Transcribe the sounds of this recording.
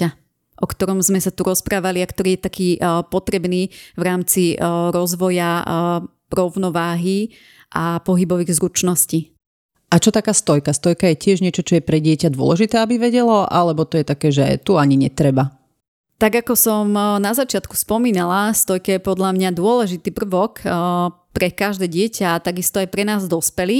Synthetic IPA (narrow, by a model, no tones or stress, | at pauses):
a | ʔɔkt̪ɔɾɔmzmɛsat̪uɾɔspɾaːʋaliakt̪ɔɾiːjɛt̪akiːpɔt̪ɾɛbniːʋɾaːmt͡siɾɔzʋɔja | ɾɔʊnɔʋaːɦi | ʔapɔɦibɔʋiːɣzɾut͡ʃnɔsciː | ʔat͡ʃɔt̪akaːst̪ɔjkast̪ɔjkajɛcɪɛʒɲɪɛt͡ʃɔt͡ʃɔjɛpɾɛɟɪɛcad̪ʊɔ̰lɛʒit̪ɛːabiʋɛɟɛlɔʔa̰lɛbɔt̪ɔjɛt̪akɛːʒɛ̰t̪uaɲiɲɛt̪ɾɛba | t̪aɡakɔsɔmnazat͡ʃɪat̪ku̥spɔmiːnalast̪ɔjkɛjɛpɔd̪ʎamɲad̪ʊɔlɛʒit̪iːpr̩ʋɔk | pɾɛkaʒd̪ɛːɟɪɛcʰaːt̪aɡist̪ɔajpɾɛnaːzd̪ɔspɛliː